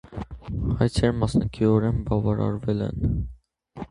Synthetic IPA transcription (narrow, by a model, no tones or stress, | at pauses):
hɑjt͡sʰɛɾmɑsnɑkʰiɔɾɛnbɑvɑɾɑ̰ɾvɛlɛ̰n